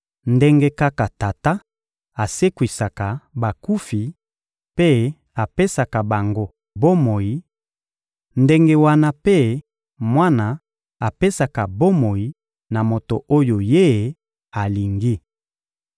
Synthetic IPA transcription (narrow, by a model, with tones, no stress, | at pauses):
nde˦ŋɡe˦ka˦ka˨ta˨ta˦ | a˨se˦kwi˨sa˨ka˨ba˨ku˦fi˨ | pe˦ | a˨pe˦sa˨ka˨ba˨ŋɡo˦ | bo˦mo˨ji˦ | nde˦ŋɡe˦wa˦na˦pe˦ | mwa˦na˨ | a˨pe˦sa˨ka˨bo˦mo˨ji˨ | na˨mo˨to˨ʔo˦jo˨je˦ | a˨li˨ŋɡi˦